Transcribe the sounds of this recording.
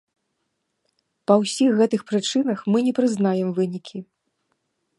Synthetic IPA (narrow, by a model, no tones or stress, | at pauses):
pɐwsʲixːɛt̪ɨxpɾɨt͡ʂɨnɐxmɨnʲɛpɾɨznajɛmvɨnʲikʲʰi